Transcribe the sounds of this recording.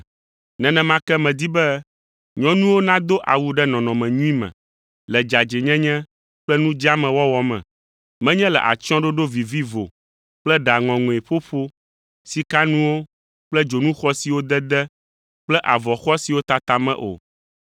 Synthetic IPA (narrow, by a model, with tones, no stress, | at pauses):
nɛ̃˨nɛ̃˨mã˦kɛ˦mɛ̃˨d̪i˦bɛ˦ | ɲɔ̃˦nũ˦wo˦nã˦d̪o˦ʔa̰˨wu˦ɖɛ˦nɔ̃˨nɔ̃˨mɛ̃˨ɲũ˦ĩ˦mɛ̰̃˨ | lɛ˨d͡ʒa˨d͡ʒe˨ɲɛ̃˦ɲɛ̃˦ | k͡plɛ˦nũ˦d͡ʒa˦mɛ̃˨wɔ˦wɔ˦mɛ̰̃˨ | mɛ̃˦ɲɛ̃˦lɛ̰˨ʔa̰˨t͡ʃɔ̃˦ɖo˦ɖo˦vi˨vi˦vo̰˨ | k͡plɛ˦ɖa˨ŋɔ̃˨ŋũ˨e˨ɸo˦ɸo˦ | si˨ka˦nũ˦wo˦ | k͡plɛ˦d͡ʒo˨nũ˦xɔ˦si˨wo˦d̪ɛ˦d̪ɛ˦ | k͡plɛ˦ʔa˨vɔ˨xɔ˦si˨wo˦t̪a˨t̪a˨mɛ̰̃˦ʔo̰˨